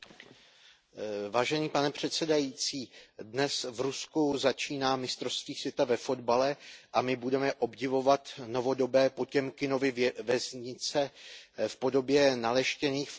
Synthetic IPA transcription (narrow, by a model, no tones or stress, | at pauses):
vaːʒɛniːpanɛpr̝̥ɛt̪sɛdajiːt͡siːdnɛsvɾuskuzat͡ʃiːnaːmɪst̪ɾofst̪viːsvjɛt̪avɛfo̞dbalɛʔamɪbudɛmɛʔo̞bɟɪvo̞vat̪no̞vo̞do̞bɛːpo̞cɛmkɪno̞vɪvɛzɲɪt͡sɛfpo̞do̞bjɛnalɛʃcɛniːxf